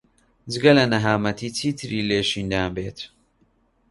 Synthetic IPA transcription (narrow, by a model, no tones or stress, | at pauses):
d͡ʒɨɡɐlɐnɐɦaːmɐt̪ʰiːt͡sʰiːt̪ʰɨɾiːleːʃiːnd̪aːnbeːt̪